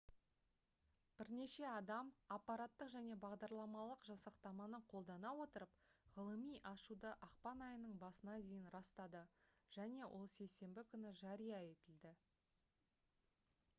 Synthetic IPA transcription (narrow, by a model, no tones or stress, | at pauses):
b̥ɪɾne̞ʃe̞ɑd̪ɑmɑpːɑɾɑt̪ːəqʒæne̞bɑʁd̪ɑɾlˠɑmɑlˠəqʒɑsɑqt̪ɑmɑnəɴqʰo̞lˠd̪ɑnɑwo̞t̪əɾəpʁəlˠəmijʔɑʃud̪əʔɑqpɑnɑjənəɴbɑsənɑd̪ejɪnɾɑst̪ɑd̪əʒ̥æne̞wʔo̞̰lˠse̞jse̞mbɪkʲʰʏnɪʒɑɾijɑe̞t̪ɪld̪ɪ